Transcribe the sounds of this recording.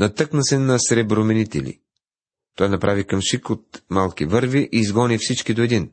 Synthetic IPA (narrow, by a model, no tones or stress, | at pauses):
nɐt̪ɤknɐsɛnɐsɾɛbɾomɛnit̪ɛ̰lḭ | t̪ɔjnɐpɾʔavikɐmʃikot̪̚malˠkivɤɾviʔiːzɡɔnifsit͡ʃkid̪oɛd̪in